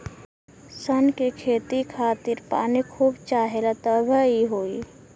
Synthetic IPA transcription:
sənkekʰeːt̪ikʰaːt̪ɪɾpa̰ːnikʰuːbt͡ʃaːɦelat̪əbʱəiɦoːi

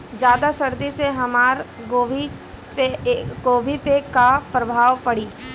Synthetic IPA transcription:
d͡ʒjaːd̪asɐɾd̪iseɦɐmaːɾɡoːʋi | peɡoːbʱipekapɾɐbʱaːʋpɐɽiː

